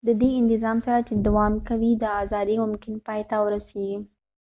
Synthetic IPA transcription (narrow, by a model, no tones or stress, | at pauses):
d̪əd̪eɪnt̪ɪzɑmsaɾat͡ʃed̪awɑmkawid̪əɑzɑd̪imʊmkɪnpɑjt̪awəɾaseɡi